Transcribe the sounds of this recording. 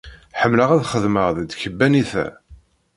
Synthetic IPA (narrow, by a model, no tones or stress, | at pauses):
ħəmːləʁæðχəðməʁðəd̪çəbːæniθæ̰